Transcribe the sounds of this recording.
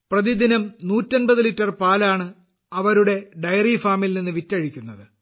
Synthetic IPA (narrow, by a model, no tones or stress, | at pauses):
prɐðid̪inɐmnuːtːɐnbɐðɨlitːɐrpaːlaːɳɨ | ɐʋɐɾuɽe̞ɖɐjɐrifaːmilninːɨʋitːɐɻikʲːunːɐðɨ